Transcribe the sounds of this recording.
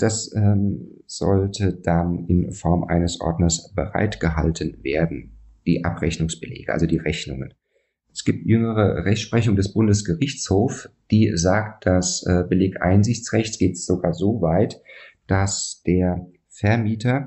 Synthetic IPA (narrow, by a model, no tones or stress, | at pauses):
d̥asɛ | z̥ɔ̰ltʰəd̥anɪ̰nfɔɐmʔa̰ɪnəsʔɔ̰ɐdnɐsb̥əʁa̰ɪtɡ̥əɦa̰ltʰənvḛːɐdn̩ | d̥iːʔa̰pʁɛçnʊŋsb̥əlḛːɡəʔa̰lzodiːʁɛçnʊ̰ŋən | ʔɛsɡ̥iːp̚tʰjʏŋəʁ̞əʁɛçtʃpʁ̥ɛçʊŋdɛsb̥ʊndəsɡ̥əʁɪçt͡shoːfd̥iːzaːkt̚d̥asɛːbəleːɡəʔaɪnzɪçt͡sʁɛçsɡ̥eːtz̥oɡaːɐzoːvaɪtd̥asd̥eːɐ | fɛɐmiːtʰɐ